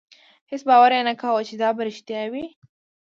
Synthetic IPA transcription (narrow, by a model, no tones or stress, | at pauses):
hɪsbɑwaɾenakawət͡ʃed̪ɑbaɾɪʃt̪jɑwi